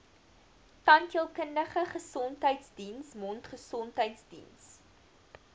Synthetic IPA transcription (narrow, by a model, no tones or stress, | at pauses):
tɐntjəlˠkəndəχəχəsɔntɦəjtsdinsmɔntχəsɔntɦəjtsdḭns